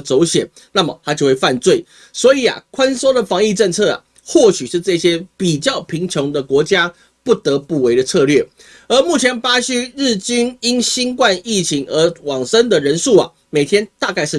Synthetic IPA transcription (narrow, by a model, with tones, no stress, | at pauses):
t͡so˧˥ʊɕjɛ˨˩n | na˥˩mə˩t̪ʰa˥t͡ɕjo˥˧we˥˩ɪfa˥˧nt͡swe˥˩ɪ | swɔ˧˥i˨˩˦a̰˩kʰwa˦˥nso˥ʊd̪ə˨fɑ˧˥ŋi˥˧ʈ͡ʂə˥˧ŋt͡sʰɤ˥˩a̰˨˩ | xwɔ˥˩ɕy˨˩ʂɻ̩˥˧ʈ͡ʂɤ˥˨ɕjɛ˥pi˨˩t͡ɕjɑ˥˩ʊpʰi˧˥ŋt͡ɕʰɔ˧˥ŋd̪ə˨kwɔ˧˥t͡ɕja˥ | pu˥˩t̪ɤ˧˦pu˥˩we˧˥ɪɾə˨t͡sʰɤ˥˧lɥɛ˥˩ | ə˞˧˥mu˥˩t͡ɕʰjɛ˧˥npa˥ɕy˥ɻ̩˥˩t͡ɕy˥ni˥nɕi˥nkwa˥˧ni˥˩t͡ɕʰi˧˥ŋə˧˥wɑ˨˩ŋsə˦nd̪ə˨ɻə˧˦˥nsʂu˥˩a̰˨˩ | me˨˩ɪt̪ʰjɛ˥nt̪a˥˧ka˥˧ɪʂɻ̩˥˩